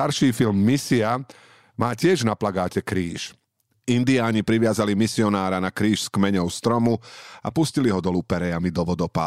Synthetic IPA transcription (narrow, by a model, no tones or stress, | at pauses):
aɾʃiːfilmːisia | maːcɪɛʒnaplaɡaːcɛkɾiːʃ | ind̪iaːɲipɾiʋɪazalimisiɔnaːɾanakɾiːʃskmɛɲɔʊst̪ɾɔmua̰pusciliɦɔd̪ɔluːpɛɾɛjamid̪ɔʋɔd̪ɔpa̰ː